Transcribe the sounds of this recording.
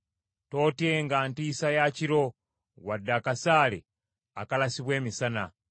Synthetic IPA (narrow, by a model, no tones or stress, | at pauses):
to̞ːtjeŋɡaːntiːsajaciɾo̞ | wadːakasaːlḛ | a̰kalasiβwe̞ːmisana